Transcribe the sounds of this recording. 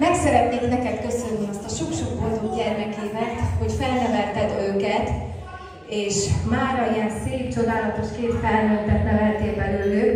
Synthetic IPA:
mɛksɛɾɛt̪neːknɛkɛt̪kø̞sø̞nːiɒst̪ɒʃo̞kʃokbold̪ukjɛrnɛkeːvɛt̪ho̞cfɛlnɛvɛlt̪ɛd̪øːkɛt̪ | eːʃmaːɾɒiɛnseːpt͡ʃo̞d̪aːlɒt̪o̞ʃkeːt̪fɛlnølt̪ɛt̪nɛvɛlt̪eːbɛɾylːøː

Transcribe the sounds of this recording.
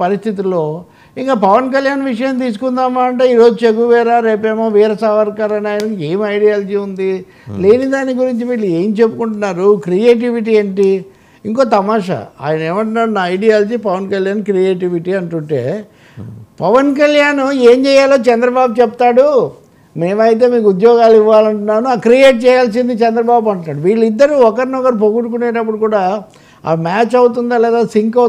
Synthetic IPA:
pɐɾist̪ʰit̪̬ilːo̞ː | iŋkaːpɐʋɐnk̬ɐljaːnʋiʂɐjɐmt̪̬iːs̬u̥kund̪aːmaːɐɳʈeːiːɾo̞ːd͡ʒut͡ʃeɡuʋɛːɾaːɾe̞ːpeːmoːʋiːɾɐsaʋɐɾkaːɾɐnaːjɐnɐke̞ːmɐjɽijaːld͡ʒiːund̪i | le̞ːnid̪aːnːiɡuɾiɲt͡ʃimiːlueːmt͡ʃe̞pːukuɳʈunːaːɾukɾijeːʈ̬iʋiʈiːeːɳʈi | iŋko̞ːt̪ɐmaːʂa̰a̰ːjɐnɐeːmɐɳʈunːaːɽunaːɐjɖijaːld͡ʒiːpɐʋɐnkɐljaːnkɾieːʈ̬iʋiʈiːɐɳʈuɳʈe̞ː | pɐʋɐnkɐljaːnueːmt͡ʃɛːjaːloːt͡ʃɛnd̪ɾɐbaːbut͡ʃɛp̚t̪aːɽu | me̞ːmɐjt̪̬e̞ːmiːkuud̪jɔːɡaːliʋːaːlɐɳʈunːaːnuakɾijeːʈ̚t͡ʃɛːjaːlsind̪it͡ʃɛnd̪ɾɐbaːbuɐɳʈunːaːɽuʋiːɭːid̪ːɐɾuɔkɐɾnɔɡɐɾup̬oɡuʈuk̬uneːʈ̬ɐp̬ːuɽukuːɽaː | a̰ːmaːt͡ʃɐwt̪̬und̪aːlɛːd̪aːsiŋkɐ

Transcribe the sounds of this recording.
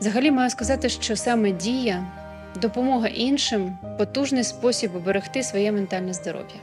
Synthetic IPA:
zɐɦɐlʲimɑjʊskɐzɑt̪ɪʃt͡ʃɔsɑmɛdʲijɐ | d̪ɔpɔmɔɦɐʔinʃɪmpɔt̪uʒnɪjspɔsʲibbeɾext̪ɪsʋɔjɛment̪ɑlʲnɛzd̪ɔɾɔ̰ʋʲjɐ

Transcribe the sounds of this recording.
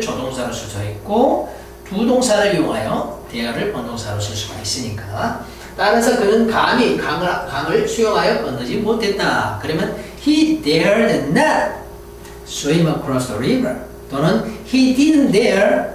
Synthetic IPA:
t͡ɕodoŋsʰaɾosʰusʰaet̚k͈o | tudoŋsʰaɾɯɭjoŋɦajʌtejʌɾɯɭpʌnd̪oŋsʰaɾosʰusʰuɡais͈ɯɲik͈a | t͈aɾasʰʌkɯnɯnkamikaŋkaŋɯɭsʰujoŋɦajʌpʌndɯd͡ʑimot̚ʰe̞t̚t͈akɯɾʌmjʌn | hid̪eaɾnenːa | soimʌkʰɾʌsdʌɾivʌ | tonɯnhididɯndeɾ

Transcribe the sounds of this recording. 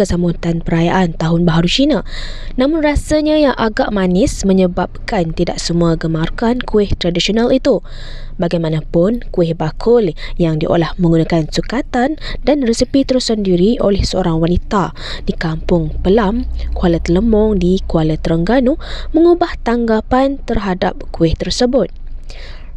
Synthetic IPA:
əsamut̪anpəɾaja̰ʔant̪aɦʊnbaɦaɾut͡ʃinã | nãmʊnrasaɲajaʔaɡaʔmanɪsmə̃ɲəbap̚kant̪ida̰ʔsəmuaɡəmarkankuɪht̪ɾadisionalit̪u | baɡajmanãpʊnkuɪhbakʰʊljaŋdiʔo̰lahmə̃ŋɡunãkansukat̪andanrəsəpit̪əɾusandiɾiʔolɛhsəoɾaŋwanit̪a | dikampʊŋpəlamkualət̪ələmɔŋdikualət̪əɾəŋɡanumə̃ŋubaht̪aŋɡapant̪ərɦadap̚kuɪht̪ərsəbʊt̪̚

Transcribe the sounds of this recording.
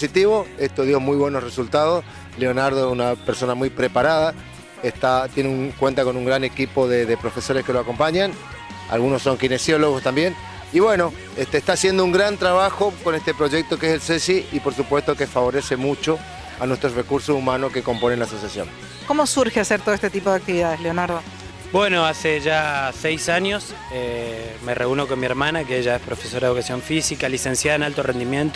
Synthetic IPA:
sit̪iβo̞est̪oðjomujβwenosresult̪að̞os | leonaɾð̞oesunapeɾso̞namujpɾepaɾaða | est̪at̪jeneunkwe̞nt̪ako̞nuŋɡɾane̞kipo̞ðeðepɾo̞feso̞ɾeske̞loako̞mpaɲan | a̰lɣunosːo̞ŋkinesjo̞loɣ̞ost̪ambje̞n | iβwe̞no̞ | est̪eːhst̪aːsje̞nd̪ouŋɡɾant̪ɾaβ̞axoko̞ne̞st̪e̞pɾo̞ʒe̞k̚t̪o̞keeselsesiipo̞ɾsupwest̪o̞kefaβo̞ɾe̞se̞mut͡ʃo̞ | anwest̪ɾorekuɾsosumanoske̞ko̞mpo̞nenlasosjasjo̰n | komosuɾxeaseɾt̪oest̪et̪ipo̞ðeak̚t̪iβiðað̞esleonaɾðo | bwenoaseʒasɛjsaɲjos | emereunokonmieɾmanakeeʒaespɾofesoɾaðeukasjo̞ɱfisikalisensjaðaenalt̪orend̪imjẽnt̪o

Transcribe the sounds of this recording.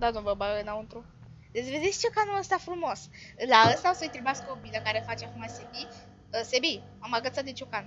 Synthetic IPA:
d̪ad̪omvəbaɡənawɨnt̪ɾu | d̪esʲved̪esʲt͡ʃukanuəst̪afɾumoslaəst̪aosəjt̪ɾibaskobiləkaɾefat͡ʃakumasebi | əsebi | amaɡət̪sat̪d̪et͡ʃukan

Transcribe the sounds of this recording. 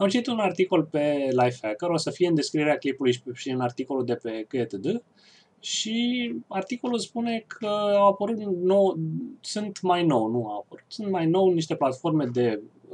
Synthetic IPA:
amt͡ʃit̪it̪unart̪iko̞lpe̞lajfhækəɾo̞səfie̞ɨnd̪e̞skɾieɾeakejpulujʃiɨnart̪iko̞lud̪e̞pe̞kɨet̪əd̪ə | ʃiart̪iko̞lulspune̞kʰəawapəɾut̪nowsunt̪majno̞wnuawapəɾut̪sunt̪̚majno̞wniʃt̪e̞plat̪fo̞rme̞d̪e̞

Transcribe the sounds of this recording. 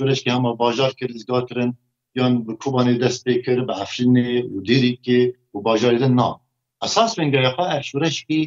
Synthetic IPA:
ʃuːɾɛʃkehɛmɑːbɑːʒɑːɾkʰɨɾɨzɡɑːɾt̪ʰɨɾɨn | jɑːnbɨkʰuːbɑːneːd̪ɛst̪̚peːkʰɨɾbɨʕafɾiːneud̪eːɾiːkewubɑːʒɑːɾed̪ɨnːɑ̰ː | ʔɛsɑːsbeŋɡɑjɑxʷɛɛvʃuːɾɛʃkiː

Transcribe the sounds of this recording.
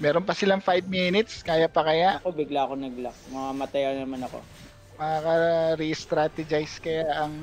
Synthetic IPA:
mɛːɾonpɐsɪlaŋfajbminɪt̪skaːjapɐkɐjaʔɐkobɪɡlaɐkonɐɡlak̚mɐŋamɐt̪ɐjanɐmanɐko̞̰ | mɐakɐɾist̪ɾat̪ɛd͡ʒajskɐjaʔɐŋ

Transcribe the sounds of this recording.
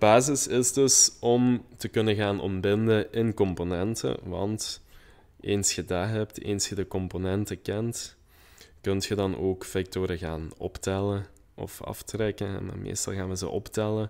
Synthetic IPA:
baːzɪsɪzdɵsɔmtəkɵnəɣaːnɔ̰mbɪndəɪnkɔmponɛntə̰ʋɑ̰nt | ʔeːnsxədaːɦɛptḛːnsxədəkɔmponɛntəkɛnt | kɵntxədɑnoːkfɛk̚toːɾəɣaːnɔ̰ptɛlə | ɔ̰fɑ̰ftrɛkəɦɛ̰ma̰ːmḛːstɑ̰lˠɣaːnʋəzə̰ʔɔptɛlə

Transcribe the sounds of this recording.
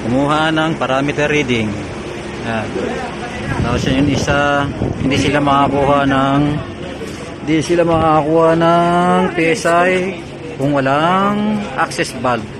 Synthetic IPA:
kʊmuːɦanɐŋpɐɾaːmɪt̪ɛɾid̪ɪŋ | ja | t̪aːposjajʊŋɪsahɪnd̪isɪlamɐʔakuhanɐŋ | hɪnd̪isɪlamaʔakuːhanɐŋpɛsaj | kʊŋwɐlaŋʔak̚sɛsbal̚

